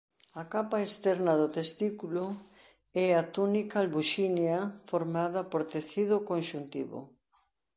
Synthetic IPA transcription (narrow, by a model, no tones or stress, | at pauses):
akapaest̪ɛɾnɐðot̪est̪ikulo | ɛat̪unikalβuʃinjafoɾmaðɐpoɾt̪eθiðʊkonʃunt̪ḭβo̰